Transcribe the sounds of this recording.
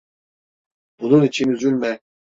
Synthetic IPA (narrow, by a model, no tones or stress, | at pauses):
b̥ununit͡ʃʰinyzylʲmɛ